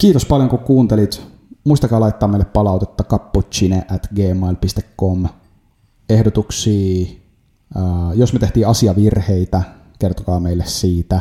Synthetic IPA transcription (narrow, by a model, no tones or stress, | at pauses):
kiːt̪ospɑljoŋkukuːnt̪elit̪ | muist̪ɑkɑːlɑit̪ːɑːmeileppɑlɑˑwt̪et̪ːɑkɑpːot̪t͡ʃineʔæt̪ɡeːmɑilpist̪ekːom | ehdot̪uksiː | josmet̪eht̪iːɑsiɑʋirheit̪æ | kert̪okɑːmeilːessiːt̪æ